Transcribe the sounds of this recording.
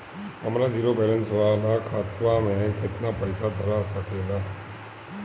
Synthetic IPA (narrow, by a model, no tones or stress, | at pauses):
ɦɐmɾad͡ʒiːɾopɛːɾɛ̃nsʋaːlakʰaːt̪ʰʋamẽkɪt̪napəɪsad̪ʱɐɾasɐkeːɡaː